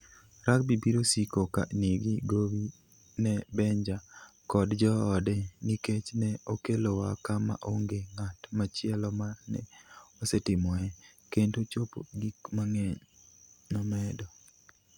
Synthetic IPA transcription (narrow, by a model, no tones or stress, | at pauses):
ɾak̚bibiɾosikoka̰niɡiɡowi | nɛbɛɲd͡ʒakɔdd͡ʒɔːdɛniket͡ʃnɛokelowakama̰ʔoŋɡeŋatmat͡ʃɪɛlɔmanɛ̰osɛtɪmɔɛkentot͡ʃopo̰ɡikmaŋɛɲnɔmɛdɔ